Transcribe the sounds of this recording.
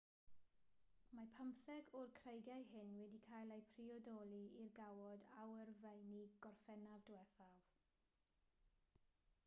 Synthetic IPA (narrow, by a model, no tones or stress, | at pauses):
mapʰəmθɛɡɔrkʰrejɡjajhɪnwɛdikʰaːjlˠejpʰriɔdɔlˠiirɡawɔdawərvejniɡ̥ɔrfɛnavdwɛθav̥